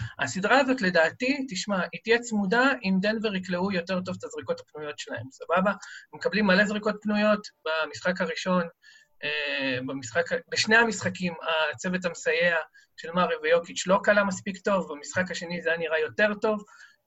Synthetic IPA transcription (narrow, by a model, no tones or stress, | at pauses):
a̰sidʁaːzo̞tle̞daːtitiʃmaitjet͡smudaimd̪enveʁikleujo̞te̞ʁt̬o̞vt̪azʁiko̞tapnujo̞tʃelahe̞msababamekablimːalezʁiko̞t̚pnujo̞tbamisχakaʁiʃo̞n | ebamisχakbeʃneamisχakimat͡se̞vet̬amesaje̞a | ʃe̞lmaʁivejo̞kit͡ʃlo̞kalamaspikto̞vbamisχakaʃe̞nizejaniʁajo̞te̞ʁto̞v